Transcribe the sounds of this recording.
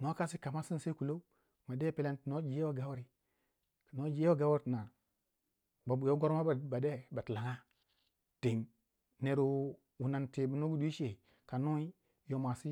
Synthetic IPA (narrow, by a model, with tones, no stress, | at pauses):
no˦ka˦si˦ka˨ma˦si˦nse˦ku˨lo˦ | ma˨de˦pe˦le˦ntno˦d͡ʒi˨je˦wa˦ɡa˦wɾi˨ | kno˦d͡ʒi˨˦e˦wa˦ɡa˦wɾi˨˦˨na˨ | ba˨bu˨jo˦ɡo˦ɾma˦˨ba˨de˦ba˨tla˨ŋa˦ | te˨ŋ | ne˨ɾu˦ | wu˨na˨nte˨bu˨no˦ɡu˦dʷi˦ʃe˨ | ka˨no˦i˦ | jo˨˦ma˨si˦